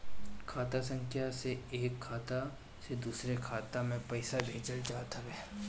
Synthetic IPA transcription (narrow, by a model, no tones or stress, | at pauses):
kʰaːt̪asə̃ŋkʰjaseeːkʰːaːt̪a | sed̪uːsɾekʰaːt̪amẽpɐɪsabʱeːd͡ʒəld͡ʒaːt̪aʋɛː